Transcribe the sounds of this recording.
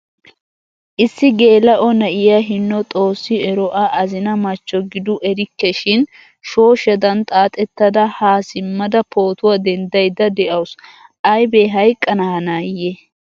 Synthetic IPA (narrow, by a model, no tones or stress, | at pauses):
ʔɪsːɪɡe̞ːlɐʔɔnɐʔɪjɐɦɪnːɔt̪ʼo̞ːsːɪɛɾɔʔɐʔɐzɪnɐmɐt͡ʃːɔɡɪd̪ʊʔɛɾɪkːɛʃɪn | ʃo̞ːʃɐd̪ɐnt̪ʼaːt̪ʼɛt̪ːɐd̪ɐhaːsɪmːɐd̪ɐpʰo̞ːt̪ʊwɐd̪ɛnd̪ɐjd̪ɐd̪ɛʔɐwsʔɐjbeɦɐjkʼːɐnɐhɐnaːjɛ